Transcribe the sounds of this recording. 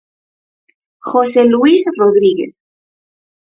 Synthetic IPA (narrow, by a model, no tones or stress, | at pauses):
xoseluisroðɾiɣḛθ